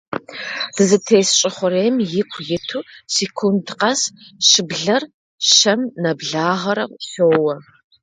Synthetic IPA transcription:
d̥ɨzɨtʰeːsɕʼɪχʷʊɾejmjɪkʷʰjɪtʰuːsikʷʰundqɐsʃɨbɮɐr | ʃɐmnɐbɮaːʁɐɾɐwʷɬoːwɐ

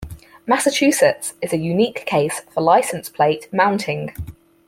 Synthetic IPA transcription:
masət͡ʃʰʉˑsətsɪzəjʉniˑkʰːeɪsfəlaɪsə̃nspʰl̥eɪʔmãʊ̃ntʰɪ̃ŋ

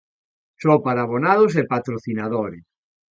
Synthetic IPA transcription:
sɔpaɾaβonaðos̬epat̪ɾoθinaðoɾɪs

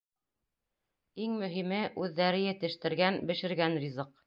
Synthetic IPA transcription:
iŋmɵ̆ɦimɘʔʉðːæɾɘjɘ̆t̪ɘ̆ʃt̪ɘ̆ɾɡænbɘ̆ʃɘ̆ɾɡænrʲizɤq

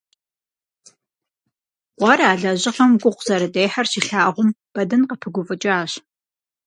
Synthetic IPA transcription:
qʷɑɾaːɮɐʑɪχɐmɡʷʼʊqʷz̥ɐɾɨdeːħɐrɕiɬaːʁʷʊmb̥ɐdɨnqəpʰɨɡʷʊvɨt͡ʃʼaːɕ

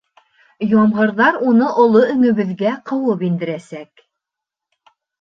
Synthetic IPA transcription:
jɑmʁɤ̆ɾðɑɾunɤʔŏlˠoɵ̆ŋɵ̆βɘ̆ðɡæqɤ̆wɤpind̪ɘ̆ɾæsæk

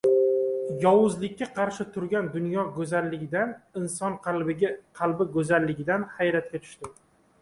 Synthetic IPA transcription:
jɒwʊzlɪkʲːaqʰɑɾʃɪt̪ʰʊɾɡʲand̪ʊnjɒɡɵzalːɪɡʲɪd̪anɪnsɒnqʲqʰɑlbɪɡɵzalːɪɡʲɪd̪anhajɾat̪̚kʲat̪ʰʊ̥ʃt̪ɪ

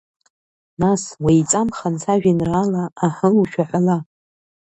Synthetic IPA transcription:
naswait͡sʼamχant͡sʰaʒᶣinraːlaːħəuʃᶣaħʷala

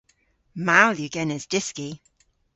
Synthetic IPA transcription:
maʊljəɡɛnəzdɪski

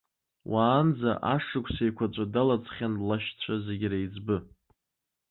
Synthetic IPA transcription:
wʔaːnd͡za̰ʔaʂɨkʷʰʼsajkʷʰat͡ʃʷʼadalat͡sʰʼχʲanlaʃt͡ɕʷʰazeɡʲraid͡zbɨ

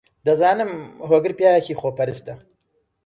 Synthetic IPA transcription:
d̪ɐzaːnɨmɦoːɡɨɾpjaːjkiːxoːpɐɾɨst̪ɐ

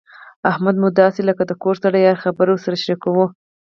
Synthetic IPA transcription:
ahmad̪mʊd̪ɑseləkad̪əkoɾsaɽajɑɾxabəɾosaɾaʃɾikawu

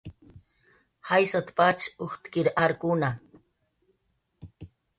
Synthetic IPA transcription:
hajsat̪pat͡ʃuxt̪kiɾʔaɾkuna

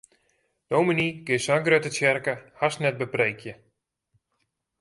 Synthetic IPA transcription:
d̥owminikɪsaŋɡrøtətɛrkəhasnɛt̚bəprejkʰjə

